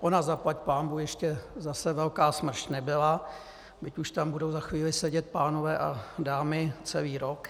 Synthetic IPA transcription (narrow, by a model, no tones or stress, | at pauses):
ʔonazaplacpaːmbuːjɛʃcɛzasɛvɛlkaːsmr̩ʃnɛbɪla | bɪcuʃt̪ambudowzaxviːlɪsɛɟɛt̪̚paːno̞vɛːʔadaːmɪt͡sɛliːɾok